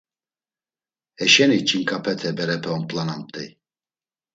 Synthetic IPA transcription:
ɛʃɛnit͡ʃʰʼiŋkʼapʰɛt̪ʰɛbɛɾɛpʰɛɔnpʼlanamt̪ʼɛ

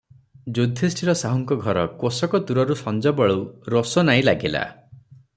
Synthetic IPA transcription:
d͡ʒod̪ʱesʈʰiɾɔsaɦɔŋkɔɡʱɔɾɔkosɔkɔt̪uɾɔɾusɔnd͡ʒɔbɔɭowɾosɔnaĩlaɡila̰

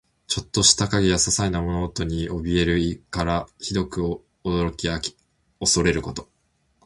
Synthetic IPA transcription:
t͡ɕo̞t̪ːo̞ɕi̥t̪akaɡʲejasasainamo̞no̞ːt̪o̞ɲ̟iʔo̞bʲie̞ɾɯ̟ikaɾaçid̪o̞kɯ̟ | od̪o̞ɾo̞kʲiakʲi̥ | o̞so̞ɾe̞ɾɯ̟ko̞t̪o̞

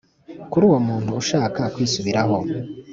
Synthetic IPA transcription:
kuɾuːwo̞muːn̥huːʃaːkakwiːsuβiɾaɦo̞

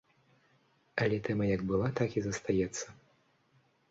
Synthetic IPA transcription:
ɐlʲɛt̪ɛmɐjɐɡbɨlˠat̪akizɐst̪ajɛt̪sːɐ

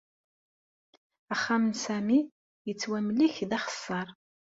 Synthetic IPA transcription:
æχːamənsæmi | jət͡sːwæmliçðæχə̥sːəɾˤ

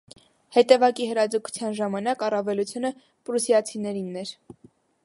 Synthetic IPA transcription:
hɛt̪ɛvɑkihəɾɑd͡zəkʰu̥t͡sʰjɑnʒɑmɑnɑkɑrɑvɛlut͡sʰjunə | pɾusjɑt͡sʰinɛɾinːɛɾ

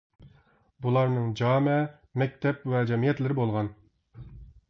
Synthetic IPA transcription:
bulˠɑɾnɨŋd͡ʒɑːmɛ | mɛk̚ʲt̪ʰɛpvɛd͡ʒɛmijɛt̪lɪɾɪbolˠʁɑn

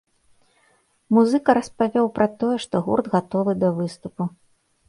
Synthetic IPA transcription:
muzɨkɐɾɐspavʲɔwpɾʔɐt̪ɔjɛʂt̪ɔɣṵrd̪ɣat̪ɔvɨd̪ɐvɨst̪upu

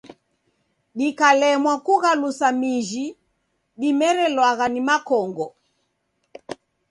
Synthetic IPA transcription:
ɗikalɛmwakuɣalusamiʒi | ɗimɛɾɛlwaɣanimakɔŋɡɔ

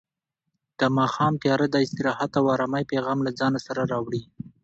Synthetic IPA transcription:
d̪̥əmɑxɑmt̪jɑɾad̪əɪst̪ɪɾɑhat̪awɑɾɑmajpeɣɑmlad͡zɑnasaɾaɾɑwɽi

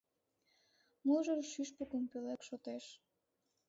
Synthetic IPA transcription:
muʒərʃyʃpekumpelekʃot̪eʃ

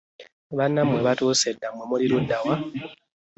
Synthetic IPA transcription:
βanːamwe̞βatuːsedːamwemuliɾudːawa

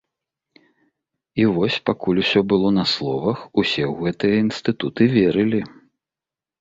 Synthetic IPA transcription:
ivɔsʲpakulʲusʲɔbɨlˠɔnɐslˠɔvɐxusʲɛwɣɛt̪ɨjɐinst̪ɨt̪ut̪ɨvʲeɾɨlʲi

